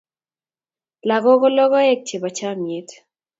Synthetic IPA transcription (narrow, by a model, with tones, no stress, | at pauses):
la˨ɡɔ˦ɡɔ˦lɔ˦ɣɔ˦ɛ˦k̚t͡ʃe˨ba˨t͡ʃa˦mje˨t